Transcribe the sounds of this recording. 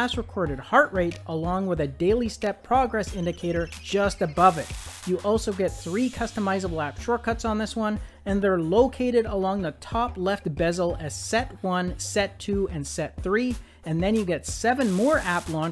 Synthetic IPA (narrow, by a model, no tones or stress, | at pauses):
æsɹɨkʰɔɹɾɨd̚hɑɹʔɹeɪɾʔəlɔ̃ŋwəðɨdeɪlˠistɛpʰɹ̥ɑɡɹɛsɪ̃ndɨkʰeɪɾə˞d͡ʒʌstɨbʌvɪt̚ɨʔɔlˠsoʊɡɛt̪̚θɹikʰʌstəmaɪzəbl̩æpʃɔɹkʰʌtsn̩ðɪswʌ̃n | ɨ̃nðə˞loʊkʰeɪɾɨɾəlɔ̃ŋðətʰɑplɛft̚b̥ɛzl̩ˠɨz̥sɛt̚wʌ̃nsɛtʰʉɨ̃nsɛt̪̚θɹi | ɨ̃nðɨ̃njɨɡɛtsɛvɨ̃nmɔɹæplɔ̃